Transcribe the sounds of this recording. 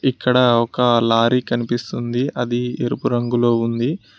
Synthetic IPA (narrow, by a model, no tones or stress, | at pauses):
ikːɐɽɐɔkɐlaːɾikɐnipist̪und̪iʔɐd̪ieɾupuɾɐŋɡulo̞ːund̪i